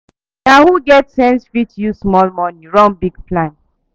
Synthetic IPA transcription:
nahuɡɛtsɛ̃nsfitjusmɔlmɔnĩɹɔ̃nbiɡplãn

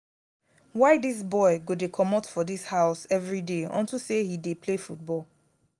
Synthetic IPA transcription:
waɪdis̬bɔɪɡodekʰɔmɔtfɔdishaʊsɛvɹideɔ̰̃ntusehidepʰlefut̚bɔl

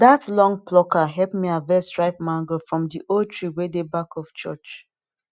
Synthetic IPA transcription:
datlɔ̃ŋplɔkaɦɛlpmiavɛsɹaɪp̚mãŋɡofɹɔ̃mdiʔotʰɹuwedebakɔft͡ʃɔ̰t͡ʃ

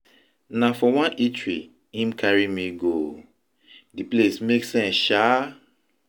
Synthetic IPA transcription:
nafɔwãnʔitɹi | ĩmkʰaɹimiɡo | diplesmeksɛ̃nsʃa

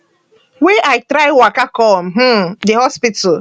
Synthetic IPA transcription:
weʔaɪtɾaɪwakakɔm̩ɦ̩deɦɔspita

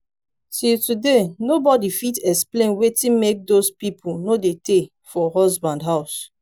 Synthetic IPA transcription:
titudenobɔdifitɛksplẽnwetĩnmek̚dospipʰunodete | fɔɦɔzbãndɦaʊs

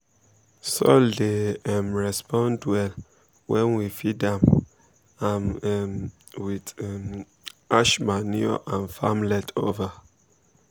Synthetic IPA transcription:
sodeɛmɹɛspʰɔ̃ndwɛl | wʔɛ̃nwifidãm | an | wid | aʃmaniɔ̰ʔãnfamlɛtʰova

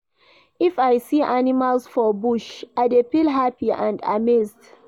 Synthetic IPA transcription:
ifajsiʔanimalsfɔbuʃʔadepilɦapiã̰nda̰mezd

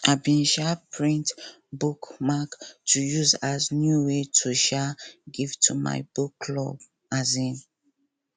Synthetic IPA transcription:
abĩnʃapʰɹĩnt | bukmaktʰujuzaznjuwetʰuʃaɡivtʰuma̰ɪbuklɔb | azĩn

